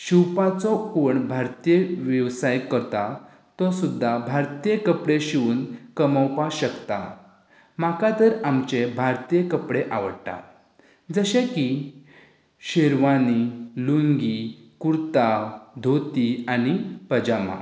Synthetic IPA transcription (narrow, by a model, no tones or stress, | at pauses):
ɕiwpat͡sɔoɳbʱaɾt̪ijeʋjəʋsajkːəɾt̪a | t̪ɔsud̪ʱːabʱaɾt̪ijekəpɽeɕiuːnkəmawpaɕəkt̪a̰ | makat̪əɾamt͡ɕebʱaɾt̪ijekəpɽeʔaʋəɽʈ̪a̰ | d͡zəɕẽki | ɕeɾʋaniluŋɡikuɾt̪ad̪ʱot̪ianipəd͡ʑamã̰